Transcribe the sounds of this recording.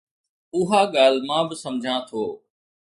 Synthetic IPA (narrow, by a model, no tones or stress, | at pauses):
ʊɦaːɠaːlmãːbɪsɐmd͡ʑʱãt̪ʰoː